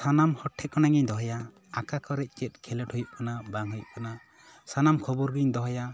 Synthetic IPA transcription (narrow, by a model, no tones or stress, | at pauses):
sanamhɔʈʰːɛʔ̚kɔnaŋiɲd̪ɔɦɔjaː | kakɔɾɛʔ̚t͡ʃɛt̪̚kʰɛlɛʈhujuʔ̚kanabaŋɦujuʔ̚kana | sanamkʰɔbuɾɡiɲd̪ɔɦɔja